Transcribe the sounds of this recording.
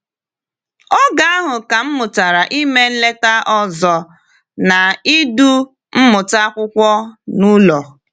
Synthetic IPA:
ɔ˦ɡa˦a˦ɦʊ˨ka˨m̩˦mʊ˨ta˨ɾa˨ʔi˦me˦n̩˦le˦ta˦ʔɔ˦zɔ˨ | na˨i˦du˦ | m̩˦mʊ˨ta˦kʷʊ˦kʷɔ˦nu˦lɔ˨

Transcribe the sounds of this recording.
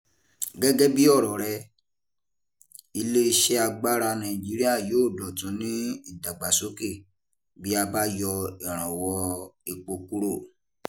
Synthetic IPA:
ɡɛ˦ɡɛ˦bi˦ɔ˦˨ɾɔ˨ɾɛ˧ | i˧le˦i˧ʃe˦a˧ɡ͡ba˦ɾa˧nã˧˨ĩ˨d͡ʒi˨˦ɾi˦a˦˨joː˨˦˨dɔ˨tũ˨˦nĩ˦i˦˨da˨ɡ͡ba˨so˦ke˦˨ | bi˦a˧ba˦jɔ˧ɛ˨ɾ̃ã˨wɔ˧e˧k͡po˧ku˦ɾo˦˨

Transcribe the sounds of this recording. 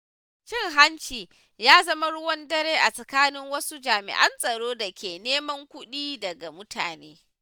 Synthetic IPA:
t͡ʃɪ˦ŋɦa˦nt͡ʃiː˨ | jaː˦zɐ˦ma˦ɽʊ˦wɔ˦ndɐ˦ɾeː˦ʔa˨sʼɐ˨kaː˦nɪ˦ŋwɐ˦su˦d͡ʒaː˨mɪ̰˨ʔɐ˦nsʼɐ˨ɽoː˦da˨kʲeː˨neː˦mɐ˦ŋkʷʊ˦ɗiː˦dɐ˨ɡa˨mʊ˦tʰa̰ː˨nḛː˦

